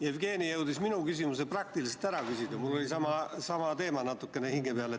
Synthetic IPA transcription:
jefɡ̥e̞ːnije̞wd̪̥isminukysimuseprɑk̚t̪iliset̪æɾɑkysʲid̪̥ɑmulːo̞lisɑmɑsɑmɑt̪e̞ːmɑnɑt̪ːˑukːˑe̞nehiŋɡ̥e̞peɑle

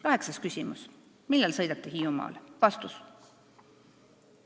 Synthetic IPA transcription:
kɑɦe̞ksɑskysʲimṵs | milːelsɤjd̪̥ɑt̪ːˑihiumɑ̰lvɑst̪us

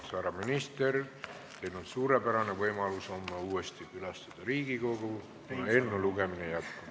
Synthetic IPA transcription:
sæɾɑminist̪e̞r | t̪e̞jlonsuːɾe̞pæɾɑne̞vɤjmɑluso̞mːɑuːest̪ikylɑst̪ɑd̪̥ɑɾiːɡ̥iko̞ɡ̥u | kunɑe̞nːuluɡ̥e̞minejæt̪ku̥

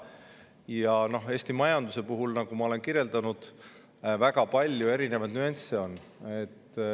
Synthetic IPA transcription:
jɑno̞he̞ːst̪imɑjɑnd̪use̞puɦulnɑɡ̥umɑo̞lenkiɾje̞ld̪ɑnud̪̥ | væɡ̥ɑpɑlʲjue̞ɾine̞vɑd̪̥nyenseo̞nː | et̪ː

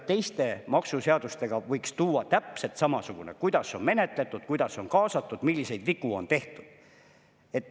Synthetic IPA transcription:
t̪ːe̞jst̪e̞mɑksuseɑd̪ust̪e̞ɡ̥ɑvɤjkst̪uːɑt̪æpse̞lt̪sɑmɑsuɡ̥unekujd̪̥ɑso̞nme̞ne̞t̪ˑle̞t̪ːˑud̪̥̚kujd̪̥ɑso̞nkɑːsɑt̪ˑːud̪̥milʲːise̞jd̪̥vikuo̞̰nt̪e̞ht̪ud̪̥ | e̞t̪ːˑ

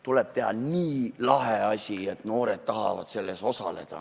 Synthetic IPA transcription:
t̪ule̞b̥t̪e̞ɦɑ̰niːlɑɦeɑsʲiet̪ːˑno̞ːɾed̪̥̚t̪ɑɦɑ̰vɑ̰d̪̥se̞lːe̞so̞sɑ̰le̞̰d̪̥ɑ̰

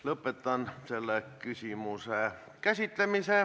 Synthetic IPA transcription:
ləpːet̪ːˑɑnselːekysimuseˑ | kæsit̪ːemiseːˑ

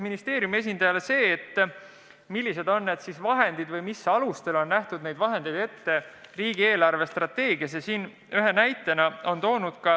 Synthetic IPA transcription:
minist̪e̞ːɾjumie̞s̬ʲind̪̥ɑjɑlese̞ːt̪ː | milʲːise̞d̪o̞nːed̪̥sisvɑɦe̞nd̪̥id̪vɯjmisːɑlust̪e̞lo̞nːæht̪ud̪ne̞jd̪vɑɦe̞nd̪e̞jd̪e̞t̪ːe̞riːɡ̥ie̞ːlɑrve̞st̪rɑt̪ːe̞ːɡ̥iɑsesiːn | yɦe̞næjt̪ːˑe̞nɑo̞nt̪o̞ːnud̪̥̚kɑ

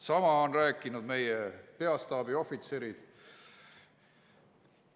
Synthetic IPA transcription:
sɑmɑonræːkːˑinud̪̥me̞jepe̞ɑst̪ɑːbio̞fit̪se̞ɾid̪̥

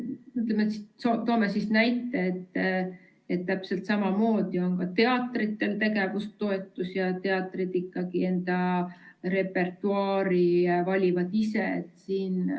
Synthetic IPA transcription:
yt̪̬ːˑlemet̪ssot̪oːmesisnæjt̪ːˑeet̪ː | et̪ːæpse̞lt̪sɑmɑmo̞ːd̪̥io̞nkɑt̪e̞ɑt̪ːˑrit̪ːe̞lt̪e̞ɡe̞vust̪ːo̞et̪ːˑusjɑt̪e̞ɑt̪ːˑrid̪ikːɑɡie̞nd̪̥ɑ | re̞pːe̞rt̪ˑuɑːɾivɑlʲivɑd̪ise̞t̪siːn

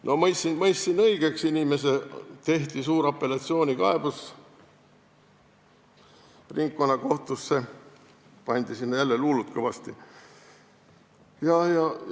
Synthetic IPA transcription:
nʔo̞mɤjsinmɤjsːinɤiɡ̥e̞ksinʲime̞se̞t̪e̞ht̪isuːɾɑpːˑe̞lɑt̪sio̞ːnʲikɑ̰e̞b̥us | riŋkːonːɑko̞ht̪usːe̞ | pɑnʲd̪̥isinːjælːeluːlut̪̚kɤvɑst̪i | jɑjɑ

